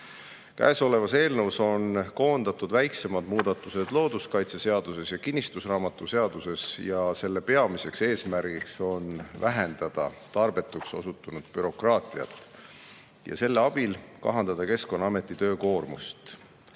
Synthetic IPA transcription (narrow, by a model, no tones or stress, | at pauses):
kæ̰ːso̞le̞vɑse̞ːlnəwso̞nko̞ːnd̪̥ɑt̪ːˑud̪̥væjkse̞mɑd̪muːd̪̥ɑt̪ːˑuse̞d̪̥lo̞ːd̪uskɑjt̪sese̞ɑd̪̥use̞sjɑkinʲːist̪usrɑːmɑt̪ːˑuse̞ɑd̪̥use̞sjɑse̞lːepe̞ɑmise̞kse̞ːsmæɾɡ̥ikso̞nvæɦe̞nd̪̥ɑd̪̥ɑ̰t̪ɑrb̥e̞t̪ːˑukso̞̰sut̪ːˑunud̪̥̚pyɾo̞krɑːt̪ˑiɑ̰t̪ːˑ | jɑ̰se̞lːeɑb̥ilkɑ̰ɦɑnd̪ɑd̪̥ɑke̞sko̞nːɑme̞t̪ːˑit̪ø̞ːko̞ːrmust̪